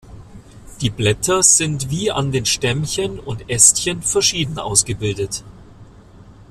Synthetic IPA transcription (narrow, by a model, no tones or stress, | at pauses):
d̥iːblɛtʰɐz̥ɪntv̥iːa̰ndeːnʃtɛmçənʊntʔɛstçənfɛɐʃiːdn̩ʔa̰ʊsɡ̥əbɪldət